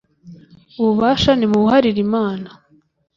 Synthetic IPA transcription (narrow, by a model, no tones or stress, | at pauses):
uβuβaːʃanimuβuhaɾiɾimaːna